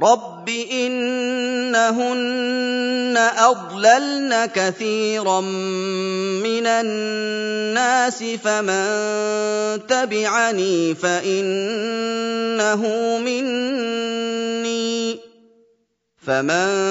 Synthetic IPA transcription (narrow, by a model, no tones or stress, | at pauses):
ɾˤɑbːiʔɪnː | aɦʊnː | aʔɑd̪ˤlalnakaθiːɾɑm | mɪnanː | aːsɪfamann | t̪abɪʕaniːfaʔɪn | aɦʊmɪnnː | iː | faman